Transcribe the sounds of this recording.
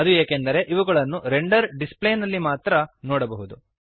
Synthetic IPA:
ɐd̪ueːkend̪ɐɾe̞ʔiʋɐɡɐɭɐnːuɾe̞ɳɖɐɾɖispleːnɐlːimaːt̪ɾɐnoːɽɐbɐɦud̪u

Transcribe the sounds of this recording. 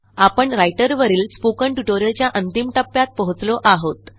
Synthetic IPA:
apəɳɾajʈəɾʋəɾiːlspukəɳʈuʈoɾjəlt͡ɕjaʔənt̪imʈəpːjat̪̚pəɦut͡sloʔaɦot̪

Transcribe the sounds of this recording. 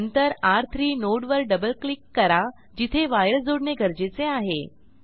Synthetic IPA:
nt̪əɾaɾt̪ʰɾiːnoɽʋəɾɖəbəlklikːəɾa | d͡ʑit̪ʰeʋajɾəsd͡zoɽɳeɡʱəɾd͡ʑet͡seaɦe

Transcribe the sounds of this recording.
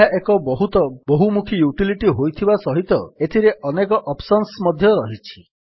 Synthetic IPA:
aʔekɔbɔɦut̪ɔboɦumukʰijuʈiliʈiɦojt̪ʰibasɔɦit̪ɔet̪ʰiɾeʔɔnekɔʔɔpsɔnsmɔd̪ʱjɔɾɔɦit͡ʃʰi̥

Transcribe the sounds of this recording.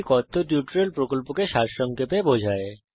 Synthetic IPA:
kɔt̪ʰːoʈjuʈɾelpɾokolpokeʃaɾʃɔŋkepebod͡ʑʱae

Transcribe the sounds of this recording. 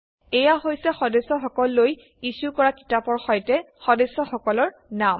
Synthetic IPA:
ɛjaɦojsɛxɔdesɔxɔkɔlːoj | isukɔɹaki̥tapɔɹxɔjtɛ | xɔdesɔxɔkɔlɔɹ | nam

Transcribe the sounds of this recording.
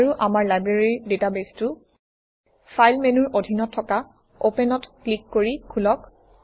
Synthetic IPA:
ɹuʔamaɹlajbɹeɹidetabestu | fʰajlmenuɹʔodʱinɔtʰːɔka | opɛnɔtklikːoɹikʰulɔk

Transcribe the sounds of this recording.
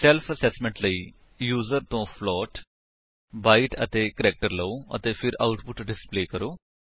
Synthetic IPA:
sɛlpʰəsɛːsmɛ̃ɳʈləiː | juːzəɾt̪õːpʰlɔːʈ | baːiʈə̰t̪eːkəɾɛːk̚ʈəɾləoːə̰t̪eːpʰɪɾa̰ʊʈpʊʈɖɪspleːkəɾoː

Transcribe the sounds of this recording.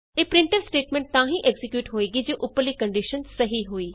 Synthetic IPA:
eːpɾɪ̃ɳʈəlsʈeːʈmɛ̃ɳʈ̚t̪ãːɦĩːʔɛɡzɪkjuːʈɦoːeːɡiːd͡ʒoːʔʊpːəɾliːkəɳɖɪʃənsəɦiːɦoːiː

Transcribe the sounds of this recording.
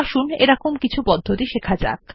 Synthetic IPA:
aʃuneɾɔkomkit͡ɕʰupɔd̪ʱːot̪iʃekʰad͡ʑa̰k

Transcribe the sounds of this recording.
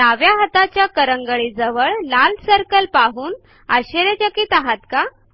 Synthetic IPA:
t̪aʋjaɦət̪at͡ɕjakəɾəŋɡəɭiːd͡zəʋəɭlalsəɾkəlpaɦuːn | aɕeɾet͡ɕəkiːt̪aɦat̪ka

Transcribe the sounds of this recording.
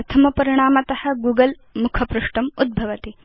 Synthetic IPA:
ɐt̪ʰɐmɐpɐɾiɳ̃aːmɐt̪ɐhɐ̆ɡuːɡɐl | mukʰɐpɾuʂʈɐmud̪̚bʱɐʋɐt̪i

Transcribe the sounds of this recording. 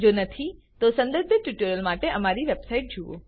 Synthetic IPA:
d͡ʒonət̪ʰi | t̪osə̃nd̪əɾbʱjəʈjuʈəɾəlmaʈeʔəmaɾiʋebsaiʈ̚d͡ʒuʋo̰

